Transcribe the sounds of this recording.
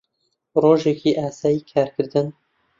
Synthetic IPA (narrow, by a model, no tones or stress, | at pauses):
roːʒekiːʔaːsaːjiːkʰaːɾkɨɾd̪ɨn